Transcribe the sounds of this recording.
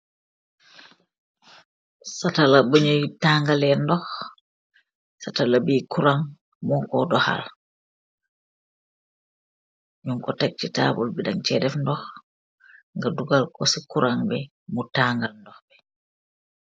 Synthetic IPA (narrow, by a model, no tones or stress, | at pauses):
satalabəɲojtaŋɡalɛndɔx | satalabiːkuɾaŋ | mɔŋkɔdɔha̰l | ɲuŋkɔtak̚t͡ʃita̰bulbɛdaŋt͡ʃɛdɛfndɔh | ŋɡaduɡalkɔsikuɾaŋbɛ | mutaŋɡalndɔxbɛ